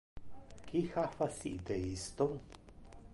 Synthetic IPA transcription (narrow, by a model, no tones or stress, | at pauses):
kixafasḭʔd̪eist̪oŋ